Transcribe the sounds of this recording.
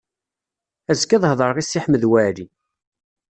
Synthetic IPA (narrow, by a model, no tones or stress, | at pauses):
æzkəðˤhðˤəɾˤʁisːiħməðwæɾi